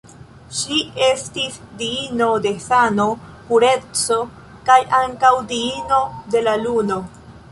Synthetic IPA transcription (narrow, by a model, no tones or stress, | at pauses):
ʃie̞stis | diino̞de̞sano̞ | puɾe̞t͡so̞ | kajaŋkawdiino̞de̞laluno̞